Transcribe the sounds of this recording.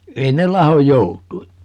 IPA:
ei ne lɑhoj joutˑui

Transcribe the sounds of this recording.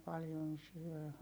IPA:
pɑljon syø

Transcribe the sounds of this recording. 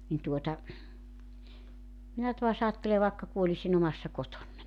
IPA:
nin tuotɑ minæ tuɑs ɑːtːele ʋɑˑekːɑ kuolʲisin omɑsːɑ kotonːɑnʲ

